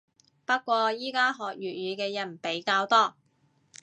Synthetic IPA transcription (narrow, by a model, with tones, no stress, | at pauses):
pɐ˥t̚kʷɔː˧jiː˥kaː˥ɦɔː˨k̚jyː˨˩t̚jyː˨˧kɛː˧jɐ˨˩n̩˩pe˨˥jkaː˧wt̪ɔː˥